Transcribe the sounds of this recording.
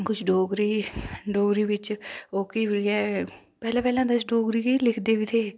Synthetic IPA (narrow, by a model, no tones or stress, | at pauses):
kʊt͡ʃʰɖoːɡɾiːɖoːɡɾiːʋɪt͡ʃoːkibɛː | pɛːlãːpɛːlãːd̪əsɖoːɡɾiːkilɪkʰd̪eːʋit̪ʰeː